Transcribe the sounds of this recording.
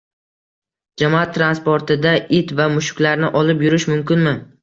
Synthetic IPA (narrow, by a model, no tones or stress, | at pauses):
d͡ʒamɒat̪ʰːɾanspoɾt̪ʰɪd̪aʔɪt̪vamʊʃʊ̥kʲlaɾnɪʔɒlɪpjʊɾɪʃmʊmkʲɪnmɪ